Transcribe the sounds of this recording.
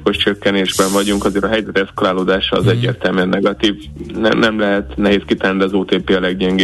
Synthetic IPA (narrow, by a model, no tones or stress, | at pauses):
ko̞ʃt͡ʃøkːɛneːʒbɛɱvɒɟuŋkɒzeːɾɒɦɛjzɛt̪ɛskɒlaːloːd̪aːʃɒːzɛɟːḛːrt̪ɛlmyɛnːɛɡɒt̪iːv | nɛnɛmlɛɦɛt̪nɛɦeːskit̪ɛnid̪ɛɒzoːt̪eːpeːɒlɛɡɟɛŋɡe